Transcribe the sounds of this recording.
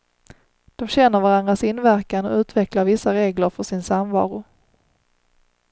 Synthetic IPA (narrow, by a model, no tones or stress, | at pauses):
d̪̥ɔmɕɛnːəɾvaɾand̪ɾasɪnːvæɾkanɔ̰ʉ̟ːt̪vɛklaɾvɪsaɾeːɡləɾfœʂɪnsamvɑ̰ːɾʊ